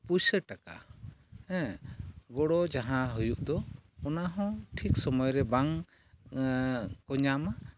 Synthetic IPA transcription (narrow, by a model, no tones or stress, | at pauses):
pusəʈaka̰ | ɛ̃ | ɡɔɽɔd͡ʒaɦãɦujuʔd̪ɔɔnaɦɔ̃ʈʰiksɔmɔjɾɛbaŋ | kɔɲama